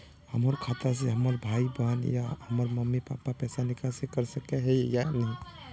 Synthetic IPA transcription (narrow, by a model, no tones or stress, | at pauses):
həməɾkʰat̪as̬eɦəməɾbʱaibəɦnja̰həməɾməmːipapːapɛsanikasekəɾsəkeɦejjanəi